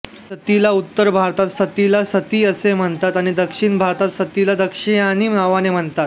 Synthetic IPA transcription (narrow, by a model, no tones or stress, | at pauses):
sət̪ilaut̪ːəɾbʱaɾt̪at̪st̪ʰət̪ilasət̪iːəsem̤əɳt̪at̪aɽ̃id̪əkʂiɳbʱaɾt̪at̪sət̪ilad̪əkʂiañiːnaʋanem̤əɳt̪at̪